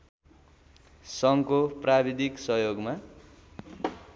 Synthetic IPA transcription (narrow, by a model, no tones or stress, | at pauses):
sʌŋkoprabid̪iksʌɦjoɡma